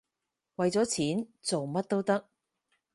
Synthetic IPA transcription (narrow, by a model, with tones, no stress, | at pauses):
wɐ˨jt͡sɔː˨˥t͡sʰiː˨˥nt͡so˨wmɐ˥t̚t̪o˥wt̪ɐ˥k̚